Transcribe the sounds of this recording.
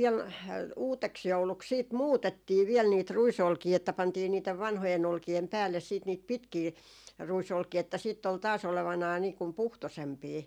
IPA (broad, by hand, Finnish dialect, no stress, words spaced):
ʋiɛl uːteksjouluks siːt muːtetːiː ʋiɛl niːt ruisolkiː etːæ pɑntiː niːteʋ ʋɑnhojen olkiem pæːlːes siːt niːt pitkiː ruisolkiː etːæ siˑtː ol tɑːs oleʋɑnɑi niː kum puhtosempiː